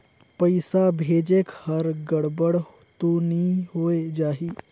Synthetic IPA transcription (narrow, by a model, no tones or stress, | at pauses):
pəjsabʱed͡ʑekhəɾɡəɽbəɽ | t̪oniɦojd͡ʒaɦi